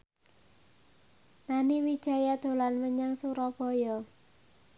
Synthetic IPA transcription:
naniwid̥ʒ̥a̤jad̪̥o̤lanməɲaŋsuɾɔb̥ɔ̤jɔ

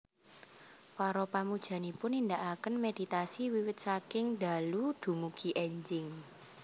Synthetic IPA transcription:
faɾɔpamud̥ʒ̥ä̤nipʊnind̪aʔakənmed̥i̤t̪asiwiwɪt̪̚sakɪŋd̪a̤lud̪̥ṳmuɡ̥i̤ʔɛɲd͡ʒɪŋ

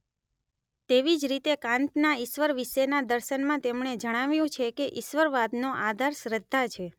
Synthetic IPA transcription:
t̪eʋid͡ʒɾit̪ekãnt̪naiʃʋəɾʋiʃenad̪əɾʃənmãt̪emɳed͡ʒəɽ̃aʋjũt͡ʃʰekeʔiʃʋəɾʋad̪noʔad̪ʱaɾʃɾəd̪ʱːat͡ʃʰe

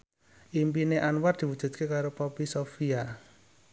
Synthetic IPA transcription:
ʔimpineʔanwar̚d̪̥i̤wud̥ʒ̥ṳdt̪̚kekaɾopɔpisofia

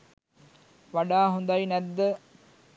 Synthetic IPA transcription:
ʋaɖaːɦũnd̪ajnæd̪ːə

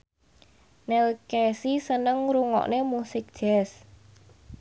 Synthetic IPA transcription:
nɛlkesisənəŋɾuŋɔ̰ʔnemusɪk̚d̥ʒ̥ɛs

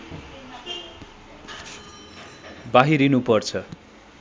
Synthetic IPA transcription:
baɦiɾinupʌrt͡sʰʌ

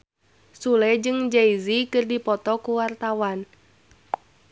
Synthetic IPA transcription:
sulɛd͡ʒɨŋd͡ʒaizikɨrdipɔt̪ɔkuwart̪awan

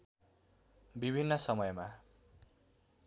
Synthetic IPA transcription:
bibʱinːʌsʌmʌjma

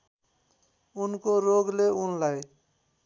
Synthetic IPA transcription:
unkoɾoɡleunlaj

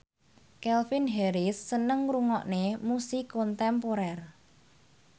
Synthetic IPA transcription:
kɛlfinɦeɾɪsːənəŋruŋɔʔnemusikɔnt̪ɛmpoɾɛr

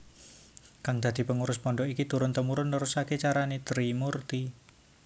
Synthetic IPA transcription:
kaŋd̪̥a̤d̪̥i̤pəŋuɾʊspɔɳɖɔʔikit̪uɾʊnt̪əmuɾʊnːəɾusaket͡ʃaɾanet̪ɾimurt̪i

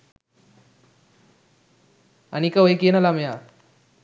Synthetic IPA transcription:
anikaʋəekenalamja

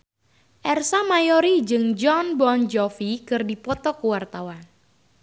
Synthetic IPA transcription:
ʔɛrsamajɔɾid͡ʒɨŋd͡ʒɔnbɔnd͡ʒɔfikɨrdipɔt̪ɔkuwart̪awan

